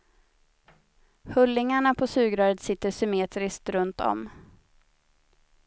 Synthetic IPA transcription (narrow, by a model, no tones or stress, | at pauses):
hɵlːɪŋaɳapʰɔsʉ̟ːɡɾœːɾət̪sɪt̪ːəʂʏmeːt̪ɾɪsk̚t̪ɾɵnt̪ɔ̰m